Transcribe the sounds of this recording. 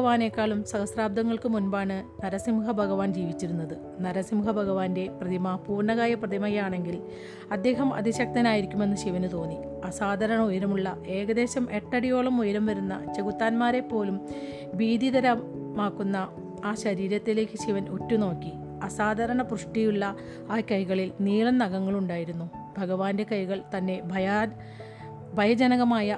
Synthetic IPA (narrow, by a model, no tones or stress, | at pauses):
ɐʋaːne̞ːkːaːɭumsɐɣɐsraːb̚d̪ʱɐŋːɐɭkɨmunbaːɳɨnɐɾɐsimuɦɐbʱɐɣɐʋaːnd͡ʑiːʋit͡ɕːiɾunːɐðɨ | nɐɾɐsimuɦɐbʱɐɣɐʋaːnde̞prɐðimɐpuːrɳɐɣaːjɐprɐðimɐjaːɳe̞ŋɡil | ɐd̪ːe̞ːɦɐmɐ̰d̪iɕɐk̚t̪ɐnaːjiɾikʲːume̞nːɨɕiʋɐnɨt̪o̞ːnːi | ɐsaːd̪ʱɐɾɐɳɐujɐɾɐmuɭːɐʔe̞ːɡɐd̪e̞ːɕɐmʔe̞ʈːɐɽijo̞ːɭɐmujɐɾɐmʋɐɾunːɐ̰t͡ɕeɣut̪ːaːnmaːɾe̞pːo̞ːlum | biːd̪id̪ɐɾɐmːaːkːunːɐ | aːɕɐɾiːɾɐt̪ːile̞ːkʲːɨɕiʋɐno̞tːuno̞ːkːi | ɐsaːd̪ʱɐɾɐɳɐpruʂʈijuɭːɐ | aːkɐjɣɐɭilniːɭɐnːɐɣɐŋːɐɭuɳɖaːjiɾunːu | bʱɐɣɐʋaːnde̞kɐjɣɐɭt̪ɐnːe̞bʱɐja | bʱɐjɐd͡ʑɐnɐɣɐmaːjɐ